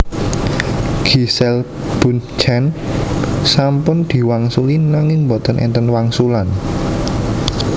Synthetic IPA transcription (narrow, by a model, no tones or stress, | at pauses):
ɡ̥isɛl | b̥unt͡ʃɛn | sampʊnd̪̥i̤waŋsulinaŋɪŋmbɔt̪ənʔɛ̰nt̪ənwaŋsulan